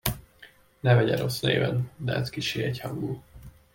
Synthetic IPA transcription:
nɛvɛɟɛɾo̞sneːvɛnd̪ɛɛzkiʃeːɛchɒŋɡuː

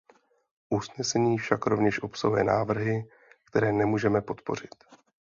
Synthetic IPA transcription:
ʔusnɛsɛɲiːfʃakɾo̞vɲɛʃʔo̞psoɦujɛ̰naːvr̩ɦɪ | kt̪ɛɾɛːnɛmuːʒɛmɛpo̞t̪po̞r̝ɪt̪

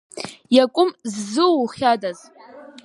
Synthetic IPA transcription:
jakʷʼʊmzːɨwχʲadaz

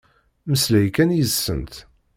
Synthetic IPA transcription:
məslæjkænjəzsːənt̪

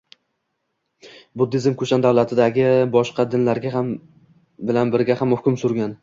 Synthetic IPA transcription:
bʊd̪ːɪzɪmkʰɵʃand̪awlˠat̪ʰɪd̪aɡʲɪbɒʃqɑd̪ɪnlaɾɡʲaɦam | bɪlanbɪɾɡʲahamhʊkʲʊmsʊɾɡʲan

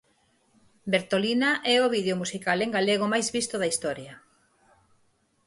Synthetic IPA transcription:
beɾt̪olinaʔɛoβiðeomusikaleŋɡaleɣ̞omajzβist̪oðɐist̪ɔɾjɐ

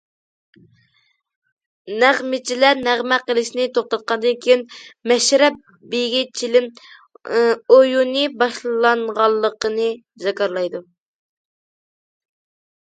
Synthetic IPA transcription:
næʁmɪt͡ʃʰilæɾnæʁmæqəlˠɪʃinɪt̪ʰoχt̪ɑt̪̚qɑnd̪ɨnkʲʰejinmɛʃɾɛp̚ | bejɡʲit͡ʃʰilɪn | ojunɨbɑʃlˠlˠɑɴʁɑlˠːəqənɨ | zɑkɑɾlˠɑjd̪u

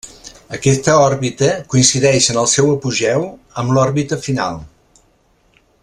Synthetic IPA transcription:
əkɛst̪əɔɾβit̪əkuinsiðɛʃənəlˠsɛwəpuʒɛw | əmlɔɾβit̪əfina̰lˠ

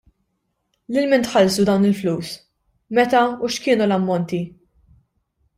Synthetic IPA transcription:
lɪlmɪnt̪ħɐlsud̪ɐwnɪlfluːs | mɛt̪ɐuʃkɪːnulɐmːɔnt̪i

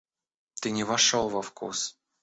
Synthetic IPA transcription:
t̪ɨnʲɪvɐʂolˠvɐfkṵs

